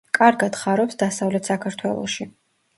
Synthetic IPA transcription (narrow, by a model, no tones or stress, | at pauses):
kʼaɾɡad̪χaɾɔpsd̪asavlɛt̪ʰsakʰaɾt̪ʰwɛ̰lˠɔ̰ʃi